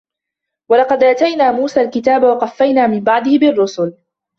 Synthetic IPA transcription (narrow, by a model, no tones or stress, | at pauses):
walɑqɑd̪ʔaːt̪ajnaːmuːsaːlkɪt̪aːbawɑqɑfːajnaːmɪmbɑʕd̪ˤɪhɪbɪrːʊsʊl